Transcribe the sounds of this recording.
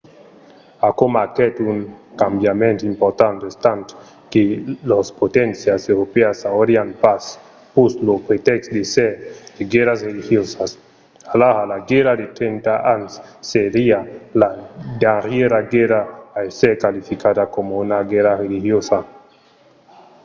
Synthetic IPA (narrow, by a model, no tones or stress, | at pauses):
akomakɛt̪uŋkambjamẽnt̪impoɾt̪ant̪est̪ant̪o̥ | kelospot̪ɛnsjasewɾopeasaoɾjanpas | puslopɾet̪ɛkst̪d̪esed̪̥eɡɛɾasrelihjosas | alahalaɡeɾad̪et̪ɾent̪aʔansːeɾialad̪aɾjeɾaɡeɾaːeseɾkalifikad̪akomounaɡɛɾarelixjosa